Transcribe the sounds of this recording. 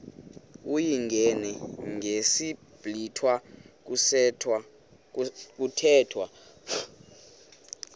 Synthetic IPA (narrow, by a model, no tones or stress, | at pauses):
ujiŋɡʱɛnɛŋʱesi | b̥ʱlitʰwak̬sʰ | k̬ʼutʰɛːtʰwa